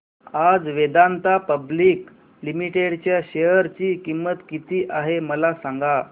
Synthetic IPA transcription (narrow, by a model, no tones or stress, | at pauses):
ad͡zʋed̪ant̪apəbliːk | limiʈeɽt͡ɕjaɕejəɾt͡ɕiːkimːət̪kit̪iːʔaɦeməlasãŋɡa